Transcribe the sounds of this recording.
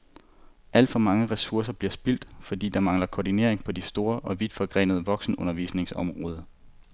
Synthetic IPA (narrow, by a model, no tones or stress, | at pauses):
ʔæl̰d̥fɒ̽mɑ̈ŋəʁɛsuɐsɐb̥liɐsb̥il̰d̥fɒ̽d̥ḭːd̥ɑ̈mɑ̈ŋlɐkʰod̥ine̝ɐe̝ŋpʰɒ̽d̥isd̥o̝ːɐʔɒ̽ʋid̥fɒ̽ɡ̥ʁɛ̰ːnəð̞̩ˠəʋɒ̽ɡ̥sn̩ɔ̽nɐʋḭːsne̝ŋsɒ̽mʁɔ̽ːð̞ˠɐ